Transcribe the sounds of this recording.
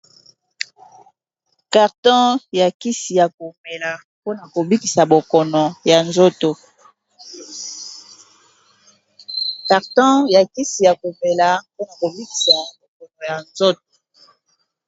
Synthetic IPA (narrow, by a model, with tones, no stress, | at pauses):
ka˨ʁtɔ̃˦ja˨ki˦si˨ja˨ko˨me˨la˨ | po˦na˨ko˨bi˦ki˨sa˨bo˨kɔ˨nɔ˨ja˨nzo˦to˨ | ka˨ʁtɔ̃˦ja˨ki˦si˨ja˨ko˨me˨la˨po˦na˨ko˨bi˦ki̥˨sa˨bo˨kɔ˨nɔ˨ja˨nzo˦to̥˨